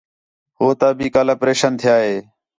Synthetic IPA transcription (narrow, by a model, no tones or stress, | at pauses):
ɦoːt̪aːbʱiːkaːlaːpɾeːʃənt̪ʰɪjaːɦeː